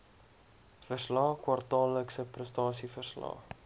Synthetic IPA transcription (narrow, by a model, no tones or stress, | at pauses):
fərslɑːkwɐrtɑːlːəksəprəstɑːsifərslɑ̰ː